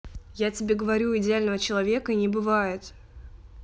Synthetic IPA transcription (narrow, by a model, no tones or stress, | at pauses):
jatʲɪbʲe̞ɡəvɐɾʲuɪdʲɪalʲnəvət͡ɕɪlˠɐvʲe̞kəinʲɪbɨvajɪt̪